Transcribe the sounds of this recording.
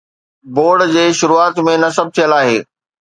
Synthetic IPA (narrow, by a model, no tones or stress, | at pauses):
boːɾɖd͡ʑeːʃʊɾuaːt̪mẽnɐsɐb̚t̪ʰijəlaːɦḛː